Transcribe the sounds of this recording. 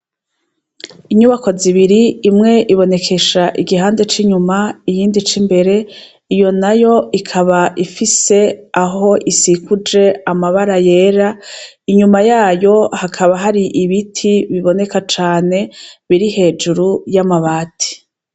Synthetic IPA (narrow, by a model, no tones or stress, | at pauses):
iɲuβako̞ziβiɾiːmŋe̞ʔiβo̞ne̞kʰe̞ʃaʔiɡiɦaːnde̞t͡ʃiɲumaijiːndit͡ʃimbe̞ɾe̞ | ijo̞najo̞ikʰaβaʔifise̞aɦo̞ʔisikud͡ʒe̞amaβaɾaje̞ːɾa | iɲumajaːjo̞hakʰaβaɦaɾiʔiβitʰiβiβo̞ne̞kat͡ʃaːne̞βiɾihe̞ːd͡ʒuɾujamaβaːtʰi̥